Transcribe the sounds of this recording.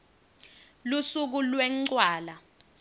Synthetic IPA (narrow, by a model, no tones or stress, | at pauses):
lusuk̬ulwɛŋ͡ǀwaːla